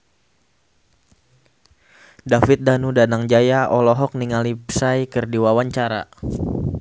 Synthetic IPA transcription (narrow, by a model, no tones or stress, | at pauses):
dafɪt̪̚danudanaŋd͡ʒajaɔlɔɦɔk̚niŋalipsajkɨrdiwawaɲt͡ʃaɾa̰